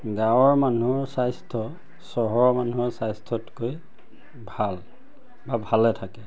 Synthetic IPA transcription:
ɡãwɔɹmanuɔɹsajstʰɔ | sɔɦɔɹmanuɔɹsajstʰɔtkoj | bʱal | babʱalɛtʰakɛ

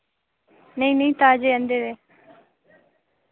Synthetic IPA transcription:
nəĩːnəĩːt̪aːd͡ʒeːənd̪eːd̪eː

